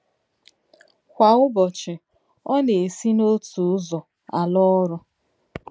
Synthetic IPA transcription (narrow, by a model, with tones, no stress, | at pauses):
kʷa˨ʊ˦bɔ˨t͡ʃɪ˨ | ɔ˦ne˨e˨si˦no˦tu˨ʊ˦zɔ˨ | a̰˨lɔ˦ɾʊ˦